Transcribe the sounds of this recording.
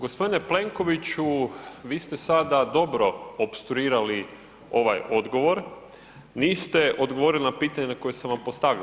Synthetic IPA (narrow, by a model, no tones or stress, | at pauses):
ɡo̞spo̞d̪ine̞ple̞ŋko̞ʋit͡ɕuʋiːst̪e̞sad̪ad̪o̞bɾo̞opst̪ɾuiːɾali | o̞ʋajo̞d̪ɡo̞ʋo̞ɾ | niːst̪e̞ʔo̞d̪ɡoʋo̞ɾilinapiːt̪aɲenako̞jesamʋampost̪aʋi